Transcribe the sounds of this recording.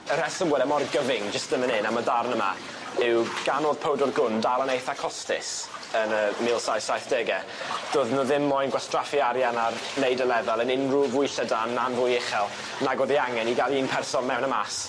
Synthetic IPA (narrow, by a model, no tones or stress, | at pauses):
əɾɛsəmwɛlɛmɔrɡəvɪŋd͡ʒəstðəmənɪnamadarnəma̰ | ɪwɡ̥anoːð̥pʰowdɔrɡʊndalˠənejθakʰɔstɪ̰s | ənəmɪlˠsajsajθd̥ɛɡɛ | d̥oːðnʊðɪmːɔjnɡwastrafiaɾjanarnejdəlɛvɛlˠənɪnruvʊjɬədanːanvʊjɪχɛlˠ | naɡɔðiaŋɛniɡalˠiːnpʰɛrsɔnmɛwnəmas